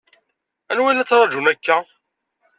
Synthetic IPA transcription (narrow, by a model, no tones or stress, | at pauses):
ænwænæt͡sːɾˤɑd͡ʒunækːæ